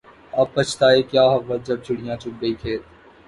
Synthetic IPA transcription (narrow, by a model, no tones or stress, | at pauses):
ɐpːɐt͡ʃʰt̪aːeːkjaːɦɐʋːət̪̚d͡ʒɐb̚t͡ʃʰʊɽijãːt͡ʃʊk̚ɡəiːkʰeːt̪